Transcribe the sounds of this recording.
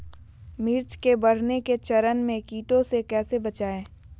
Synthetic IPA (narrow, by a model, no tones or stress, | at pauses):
mɪːɾt͡ʃkebɐɾ̤neket͡ʃɐɾənmẽkiːʈõsekɛːsebɐt͡ʃaːẽː